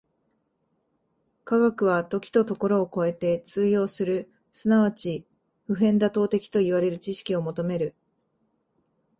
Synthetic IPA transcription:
kaɡakɯ̟β̞at̪o̞kʲi̥t̪o̞t̪o̞ko̞ɾo̞ːko̞e̞t̪e̞t͡sɨːjo̞ːsɨɾɯ̟ | sɨnaβat͡ɕi | ɸɯ̟ɦẽ̞nd̪at̪o̞ːt̪e̞kʲi̥t̪o̞iβaɾe̞ɾɯ̟t͡ɕiɕi̥kʲio̞mo̞t̪o̞me̞ɾɯ̟

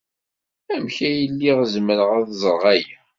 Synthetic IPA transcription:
æmçæjəlːiʁzməɾəʁæðzˤəɾʁæj

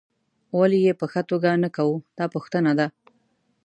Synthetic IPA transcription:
walijepəxat̪oɡanakawud̪̥ɑpuxt̪ənad̪a

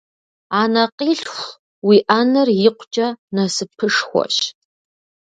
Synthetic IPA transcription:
aːnɐqiːɬxʷ | wiʔanɐrjɪqʷʰt͡ʃʼɐnɐsɨpʰɨʂxʷɔ̰ɕ

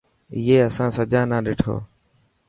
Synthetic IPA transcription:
ɪːeːəsãːsəd͡ʒãːnãːɗeːʈʰo̰ː

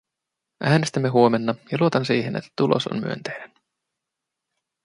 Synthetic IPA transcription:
ʔæːnest̪æmːe̞ɦuome̞nːɑjɑluo̞t̪ɑnsiːɦene̞̰t̪ːæ̥t̪ulʔo̰so̰nmy̰ønt̪ejdæn

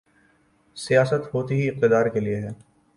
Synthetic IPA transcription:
sijaːsət̪ɦoːt̪iɦiɪq̚t̪ɪd̪aːɾkelieɦɛː

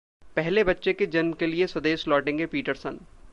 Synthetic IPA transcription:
pɛɦlebɐtːʃeked͡ʒɐnmkeliesɐd̪eːʃlɔːʈẽːŋɡepiːʈəɾsən

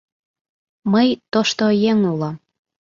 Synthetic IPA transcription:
məjt̪oʃt̪ojeŋulɑm

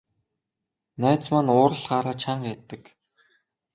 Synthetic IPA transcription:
næːt͡smanʊːɾə̆ɮχaːɾaːt͡ɕʰaɴɢæt̪ːə̆k

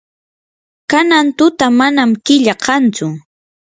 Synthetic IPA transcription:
kanant̪ʊt̪amanamkɪʎaqʰɑnt͡sʊ

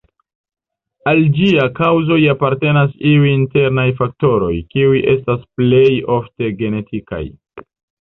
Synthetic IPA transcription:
ald͡ʒiakawzo̞japaɾte̞nasiujinte̞ɾnajfak̚to̞ɾo̞jkiujʔe̞stasple̞jo̞fte̞ɡe̞ne̞tʰika̰j

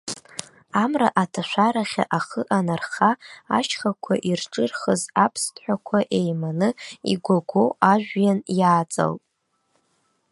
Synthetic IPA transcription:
amraʔatʰaʃᶣʷaɾaχʲa̰ʔaχəʔanarχa̰ːt͡ʃʰχakʷʰa̰ʔirʈ͡ʂʼɨrχəzapʰstʰʼħʷakʷʰaʔe̞jmanɨḭɡʷaɡʷowaʒʷᶣjanjaːt͡sʼa̰ltʼ

